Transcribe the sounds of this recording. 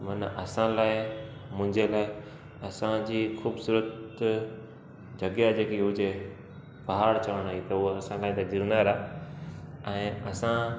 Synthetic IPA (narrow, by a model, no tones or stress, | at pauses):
mɐnɐsãlaːɪ | mʊ̃ɦɪ̃ɲd͡ʑelaːɪ | ɐsãd͡ʑiːxuːbsuːɾət̪ | d͡ʑɐɡjad͡ʑeːkiʊd͡ʑe | pɐɦaːɽt͡ɕɐʋəɽ̃aːit̪ɐʊoɐsãlaːĩt̪adɪɾnaɾaː | ɛ̃ːɐsã